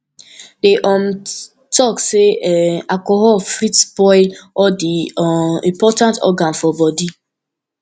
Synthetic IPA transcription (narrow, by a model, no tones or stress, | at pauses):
deʔɔm̩ | tɔkseakɔɦɔlfɾitspɔɪlɔdiɔḭ̃mpɔtãntɔ̰ɡanfɔbɔdi